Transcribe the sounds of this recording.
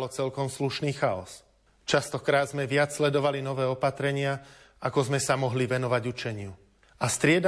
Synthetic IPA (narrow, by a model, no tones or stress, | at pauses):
lɔt͡sɛlkɔmsluʃniːxaɔ̰s | t͡ʃast̪ɔkɾaːd̪zmɛʋɪat͡sslɛd̪ɔʋalinɔʋɛːɔpat̪ɾɛɲɪa | akɔzmɛsamɔɦliʋɛnɔʋaɟut͡ʃɛɲɪu | ast̪ɾɪɛd̪